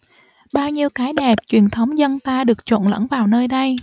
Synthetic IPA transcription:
ɓaː˧wɲi˧əwkaː˨˦jɗɛ˨˩p̚t͡ɕwi˨˩ənt̪ʰə˨˦wŋ͡mzə˧nt̪aː˧ɗɨ˨˩ək̚t͡ɕo̰˧˨nlə̰˧˥ŋvaː˨˩wnəː˧jɗə˧j

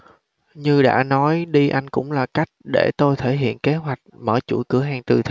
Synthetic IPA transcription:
ɲɨ˧ɗa̰ː˧˥nɔ˨˦jɗi˧ʔa˧jŋ̟kʊ̰˧˥ŋ͡mlaː˨˩ka˦˥jk̟̚ɗe˧˩t̪o˧jt̪ʰe˧˩ɦḭ˧˨ənke˨˦ɦwa˨˩jk̟̚məː˧˩t͡ɕṵ˧˩kɨ˧˩əɦaː˧ŋt̪ɨ˨˩t̪ʰ

